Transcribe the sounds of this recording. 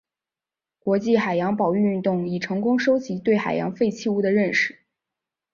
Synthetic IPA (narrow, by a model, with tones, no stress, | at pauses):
kwɔ˧˥t͡ɕi˥˩xa˨˩ɪjɑ˧˥ŋpɑ˨˩ʊy˥˧nt̪ʊ˥˩ŋi˨˩ʈ͡ʂʰɤ˧˥ŋkʊ˥ŋʂo˥ʊt͡ɕi˧˥t̪we˥˩ɪxa˨˩ɪjɑ̰˧˥ŋfe˥˧ɪt͡ɕʰi˥˧u˥˩d̪ə˩ɻə˥˧nʂɻ̩˥˩